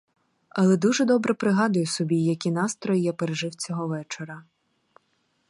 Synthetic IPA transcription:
ɐlˠɛd̪uʒɛd̪ɔbɾɛpɾɪɦɑd̪ʊjʊsɔbʲijɐkʲinɑst̪ɾɔjjɛpeɾeʒɪwt͡sʲɔɦɔʋɛt͡ʃeɾɐ

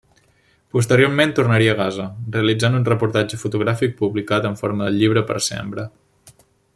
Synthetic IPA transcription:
pus̬t̪əɾioɾment̪urnəɾiəːɣazəreəlid͡zanunrəpuɾt̪ad͡ʒəfut̪uɣɾafik̚puβlikat̪əɱfoɾməðəʎiβ̞ɾəpə̰ɾsḛmpɾə

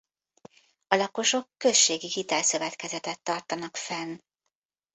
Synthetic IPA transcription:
ɒlɒko̞ʃo̞kːø̞ʃːeːɡiɦit̪ɛlsø̞vɛt̪kɛzɛt̪ɛt̪ːɒrt̪ɒnɒkfɛn

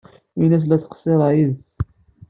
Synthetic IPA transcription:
inæs̬læsqseðˤʕjiðs

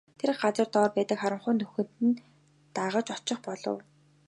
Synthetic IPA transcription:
t̪ʰer̆χɢat͡sə̆rt̪ɔːrpæːt̪ə̆kχaɾə̆ɴχʊːnːɵxɵ̆nt̪ɘ̆n | t̪aʁə̆t͡ɕɔt͡ɕɪ̆χpɔɮɞ̰̆w

